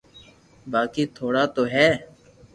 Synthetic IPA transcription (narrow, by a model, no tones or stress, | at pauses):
baːkiːt̪ʰoːɽaːt̪oːɦɛː